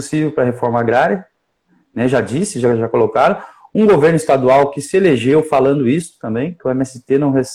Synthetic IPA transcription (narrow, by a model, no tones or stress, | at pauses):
sivewpɾɐɦefɔɾmɐaɡɾaɾjɐ | nɛʒad͡ʒisɪʒaʒakolokaɾɐ̃ũɡoveɾnʊist̪ad̪uawkɪsɪeleʒewfalɐ̃nd̪ʊist̪ʊ̥t̪ɐ̃mbẽj̃kɪʊẽmɛsɪt̪enɐ̃w̃ɦes